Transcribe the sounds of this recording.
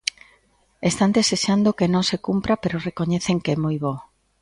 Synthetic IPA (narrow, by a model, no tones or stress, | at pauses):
est̪and̪eseʃand̪okenõŋsekumpɾapeɾorekoɲeθeŋkɛmojβo